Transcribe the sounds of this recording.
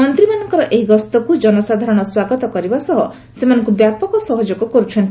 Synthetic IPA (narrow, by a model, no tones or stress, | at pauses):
ɔnt̪ɾimanɔŋkɔɾɔʔeɦiɡɔst̪ɔkud͡ʒɔnɔsad̪ʱaɾɔɽ̃ɔswaɡɔt̪ɔkɔɾibasɔɦɔ | semanɔŋkubjapɔkɔsɔɦɔd͡ʒoɡɔkɔɾut͡ʃʰɔnt̪